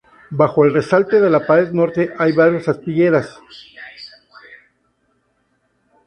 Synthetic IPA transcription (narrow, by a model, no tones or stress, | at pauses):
baxo̞e̞lre̞salt̪e̞ðe̞lapaezno̞ɾt̪e̞ʔajβaɾjasast̪iʝe̞ɾas